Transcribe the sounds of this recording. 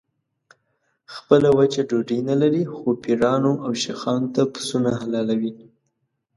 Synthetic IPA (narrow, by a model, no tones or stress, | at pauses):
xpəlawat͡ʃaɖoɖinalaɾixopiɾɑnoawʃexɑnot̪apə̥sunaɦalɑlawi